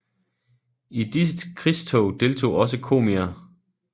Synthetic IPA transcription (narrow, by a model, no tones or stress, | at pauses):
id̥isəd̥kʰʁist͡sʰɔʊd̥e̝lt͡sʰo̝̰ːɒ̽s̬əkʰo̝̰ːmiɐ